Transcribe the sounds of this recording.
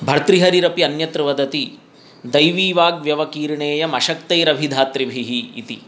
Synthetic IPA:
bʱɐɾt̪ɾiɦɐɾiɾɐpiɐnjɐt̪ɾʋɐd̪ɐt̪i | d̪ɐjʋiːʋaːɡʋjɐʋɐkiːɾɳeːjɐmɐʃɐkt̪ɐjɾɐbʱid̪ʱaːt̪ɾibʱiɦḭːt̪ḭ

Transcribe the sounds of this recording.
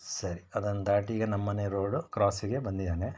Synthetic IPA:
sɐɾiɐd̪ɐnɐd̪aːʈiɡɐnɐmːɐneɾo̞ːɖukɾaːsiɡe̞bɐnd̪id̪aːne

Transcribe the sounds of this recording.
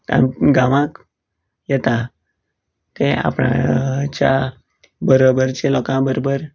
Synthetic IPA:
t̪a̰ɡaʋãk | jɛt̪a | t̪ea̰pɳa̰t͡ɕja | bəɾobəɾt͡ɕelɔkãbəɾobəɾ

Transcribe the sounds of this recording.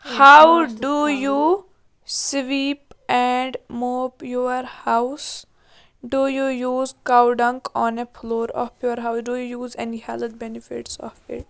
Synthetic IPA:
haʊɖuju | sʋiːpɛ̃ɳɖmoːpjoəɾhaʊs | ɖujujuːzkaʊɖɐ̃ŋkɔ̃ːnepʰloːɾɔ̰ːfʰjoɾɦaʊsɖujujuːzɛnihæləd̪̚bɛnɪfɪ̰ʈsɔ̰ːfɪ̰ʈ̚

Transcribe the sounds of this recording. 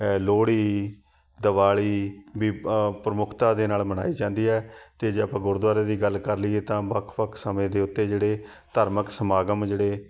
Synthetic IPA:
loːɽiː | d̪əʋaːɭiːbiːpɾəmʊkʰt̪ãːd̪eːnaːlməna̰ːiːd͡ʒãːnd̪iːɛːt̪eːd͡ʒeːəpãːɡʊɾd̪waːɾeːd̪iːɡəlkəɾliːeːt̪ãːʋəkʰpəkʰsəmẽːd̪eːʊt̪ːeːd͡ʒeːɽeː | t̪əɾməksəmaːɡəmd͡ʒeːɽeː

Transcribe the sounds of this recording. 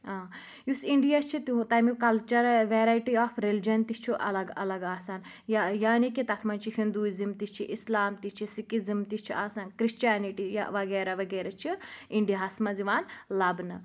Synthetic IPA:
aː | jusiɳɖijast͡ʃʰit̪ut̪ɐjmikɐlt͡ʃɐɾlʋeːɾaːjʈiaːpʰɾeld͡ʒɐnt̪ist͡ʃʰiʔɐ̰lɐɡɐ̰lɐɡaːsaːn | jajaːnikit̪ɐt̪ʰmɐnt͡ʃʰihind̪uːizimt̪ist͡ʃʰiʔislaːmt̪it͡ʃʰisikizimt̪it͡ʃʰiʔaːsaːnkɾist͡ʃaːniʈija̰ʋɐɡeːɾɐʋɐɡeːɾɐt͡ʃʰiiɳɖijaɦɐsmɐziʋaːnlɐbnɨ

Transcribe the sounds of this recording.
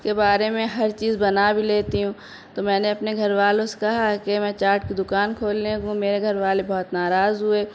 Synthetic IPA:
kebaːɾemẽɦɐɾt͡ʃiːzbɐnabʱileːt̪iɦũː | t̪omɛ̃ːneɐpneɡʱɐɾʋaːlõse̥kɐɦakemɛ̃ːt͡ʃaːɾʈkid̪ʊkaːnkʰoːlːeɦũmeːɾeɡʱɐɾʋaːlebɔːt̪naːɾaːzɦʊeː

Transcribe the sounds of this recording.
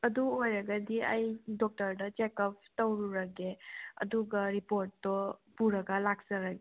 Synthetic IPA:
ɐduojɾɐɡɐdiɐjdɔk̚tɐɾdɐt͡ʃekɐp̚tɐwɾuɾɐɡeɐ̰duɡɐɾipoɾtːɔpuɾɐɡɐlak̚sɐɾaɡe

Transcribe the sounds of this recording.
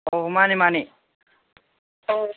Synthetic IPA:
omanimani

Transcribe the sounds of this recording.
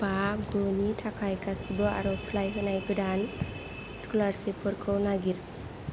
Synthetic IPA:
bakɡɔnitʰakʰajkʰasibɯa̰ɾɔslajɦenajkɯdan | skulaɾsepʰɯɾkʰɯwnaɡiɾ

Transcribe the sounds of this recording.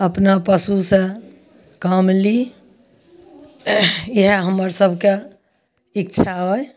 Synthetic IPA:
əpnapəsusẽ | kəmli | jeɦeɦəməɾsəbʱke | ikt͡ʃʰaɦoj

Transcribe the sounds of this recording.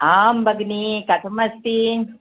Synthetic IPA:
aːmbʱɐɡnikɐt̪ʰmɐst̪i

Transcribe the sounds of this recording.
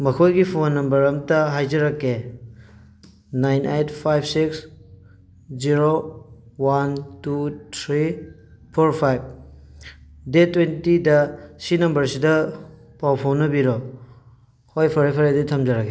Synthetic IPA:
mɐkʰojɡipʰonːɐmbɐɾɐmtɐɦajd͡ʒɐɾɐkːe | najnejtʰpʰajbʰsiks | ziɾowantutʰɾi | pʰoɾpʰajb̚ | detwentidɐsinɐmbɐɾsidɐ | pawpʰownːɐbiɾo | hojpʰɐɾepʰɐɾadɐtʰɐmd͡ʒɐɾɐkʰːe

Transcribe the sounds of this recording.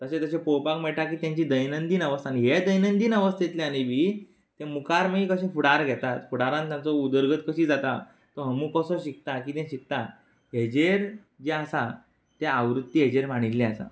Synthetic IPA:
t̪əɕet̪əɕẽpowpakmɛɭʈ̪akiːt̪jãɲt͡ɕiːd̪əjnənd̪iːnəʋəst̪añiɦed̪əjnənd̪iːnəʋəst̪jet̪leañiʋiː | t̪ẽmukaɾmiːkəɕẽfuɽaɾɡʱɛt̪at̪fuɽaɾãnt̪jãnt͡sɔud̪əɾɡət̪kəɕiːd͡zat̪a | t̪ɔɦəmukɔsɔɕik̚t̪ak̬iːt̪ẽɕik̚t̪a | ɦed͡ʑeɾ | d͡ʑeəsa | t̪eaʋɾut̪ːiɦed͡ʑeɾmaɽ̃ilːeəsa̰

